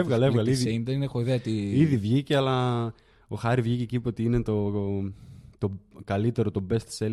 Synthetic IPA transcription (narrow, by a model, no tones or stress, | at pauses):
evɣɐlevɣɐleiðieind̪eninexoiðeɐt̪iiðivʝiceɐlɐ | o̞xɐɾivʝice̞cipot̪iine̞t̪o̞ | t̪o̞kɐlit̪e̞ɾo̞t̪o̞be̞st̪i̥sel